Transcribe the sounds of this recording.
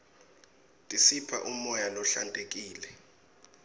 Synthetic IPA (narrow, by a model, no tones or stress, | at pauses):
tʼisipʰa̰ʔumɔjalɔɬantʼek̬ʼiːlɛ